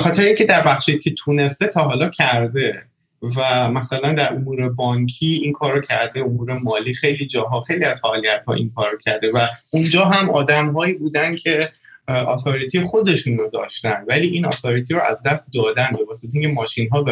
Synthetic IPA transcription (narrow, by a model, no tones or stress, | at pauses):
exɒːt̪ʰe̞ɾeiŋcʰe̞d̪æɾbæxʃejcʰe̞t̪ʰune̞st̪e̞t̪ʰɒːɦɒːlɒːcʰæɾd̪e̞ | væmæsælænd̪æɾʔomuːɾe̞bɒːŋcʰiːinkʰɒːɾːocʰæɾd̪e̞omuːɾemɒːliːxe̞jliːd͡ʒɒːɦɒːxe̞jliːæz̥fæːlijæt̪hɒ̰ːʔḭŋkʰɒːɾːocʰæɾd̪e̞væund͡ʒɒːɦæmʔɒːd̪æmɦɒːiːbuːd̪æncʰe̞ | ʔɒ̰t̪ʰoɾit̪ʰiexo̞d̪e̞ʃuːnɾod̪ɒ̰ːʃt̪ænvæliːʔinɒ̰t̪oɾit̪ʰiɾoʔæ̰zd̪æst̪̚d̪ɒːd̪ænbe̞væst̪ʰeiːŋcʰemɒːʃinɦɒːbe